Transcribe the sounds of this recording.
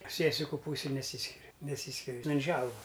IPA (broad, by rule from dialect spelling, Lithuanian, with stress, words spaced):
ˈsʲiɛsʲɪkʊ ˈpuːsʲɪj nʲɛˈsʲiːsʲkʲɪrʲɪ nʲɛˈsʲiːsʲkʲɪrʲɪ ˈtʲɛn ˈʒʲɛlˠʋɐ